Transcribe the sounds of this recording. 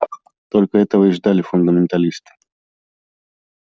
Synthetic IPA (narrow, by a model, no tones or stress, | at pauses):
t̪olʲkəɛt̪əvəɪʐd̪alʲɪfʊnd̪əmʲɪnt̪ɐlʲist̪ɨ̥